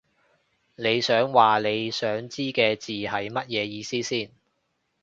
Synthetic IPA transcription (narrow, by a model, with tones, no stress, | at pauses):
ne˨˧jsœː˨˥ŋwaː˨le˨˧jsœː˨˥ŋt͡siː˥kɛː˧t͡siː˨˩hɐ˨˥jmɐ˥t̚jɛː˨˧jiː˨˧siː˥siː˥˩n